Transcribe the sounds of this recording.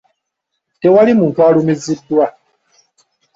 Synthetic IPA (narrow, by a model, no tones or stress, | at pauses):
tewalimuːntualumizidwa